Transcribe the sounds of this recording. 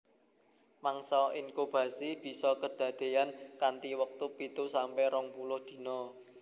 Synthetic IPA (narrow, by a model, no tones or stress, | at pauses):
maŋsɔiŋkub̥a̤sib̥i̤sɔkəd̪̥a̤d̪̥e̤jankant̪iwək̚t̪upit̪usampɛɾɔŋpulʊhd̪̥i̤nɔ